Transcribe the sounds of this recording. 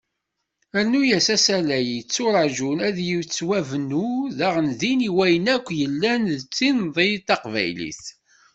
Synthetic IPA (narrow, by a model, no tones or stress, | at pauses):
æɾnujæsæsælæjt͡sːʊɾˤɑʒunæðjiwt͡sːwævnːuðæʁənðiniwæjənækʷːjəlːænðət͡sːinðˤet̪ːɑqvæ̰jlḭθ